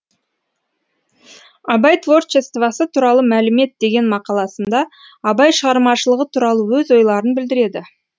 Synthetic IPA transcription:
ɑbɑjt̪vo̞rt͡ʃest̪vɑsət̪ʰuɾɑlˠəmælɪme̞t̪̚d̪e̞ɡʲe̞nmɑqɑlˠɑsənd̪ɑː | bɑjʃəʁɑɾmɑʃəlˠəʁət̪ʰuɾɑlˠəwɵzo̞jlˠɑɾənbɪld̪ɪɾe̞d̪ɪ

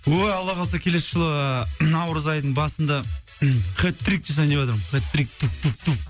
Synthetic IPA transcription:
wojɑlˠːɑʁɑsɑkʲʰe̞le̞sʃəlˠəənɑwɾəzɑjd̪əɴbɑsənd̪ɑ | χʲet̪ːɾik̚t̪esɑnewɑt̪əɾmχet̪ːɾik̚t̪up̚t̪up̚t̪up̚

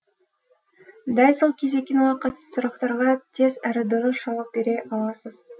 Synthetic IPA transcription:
d̪ɑlʲsolˠkʲʰezekʲːenwɑqʰɑt̪suɾɑqt̪ɑɾʁɑt̪ʰe̞zæɾɪd̪oɾoʃɑwɑp̚be̞ɾeʔɑlˠɑsəz̥

